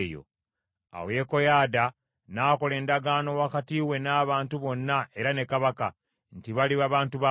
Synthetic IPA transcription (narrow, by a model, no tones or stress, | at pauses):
jo̰ | a̰we̞ko̞jaːda | naːko̞le̞ːndaɡaːno̞wakatiwe̞naːβaːntuβo̞nːae̞ɾane̞kaβaka | ntiβaliβaβaːntuβa